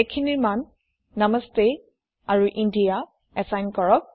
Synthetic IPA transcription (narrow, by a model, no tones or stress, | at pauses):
ekʰiniɹmanː | aməste | aɹuʔindija | ɛsajnkɔɹɔk̚